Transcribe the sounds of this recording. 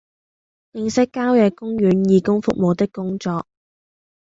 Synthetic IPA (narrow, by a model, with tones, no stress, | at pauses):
jɪ˧ŋsɪ˥kːaː˥wjɛ˨˧kʊ˥ŋjyː˨˥njiː˨˧kʊ˥ŋfʊ̰˨k̚mo˨˧wt̪ɪ˥kːʊ˥ŋt͡ʃɔː˨k̚